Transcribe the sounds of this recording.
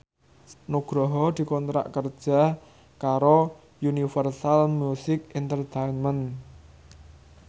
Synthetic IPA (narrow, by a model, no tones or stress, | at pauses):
nuɡ̥ɾɔɦɔd̪̥i̤kɔnt̪ɾa̰ʔkərd̥ʒ̥a̤ | kaɾo | junifərsalmjusɪkɛnt̪ərt̪ejnmən